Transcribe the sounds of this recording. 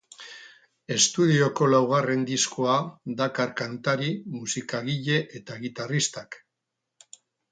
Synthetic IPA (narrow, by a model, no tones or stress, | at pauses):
e̞st̪uðio̞ko̞lawɣ̞are̞nd̪iskoad̪akaɾkant̪aɾimusikaɣiʎe̞ʔet̪aeɣit̪arist̪ak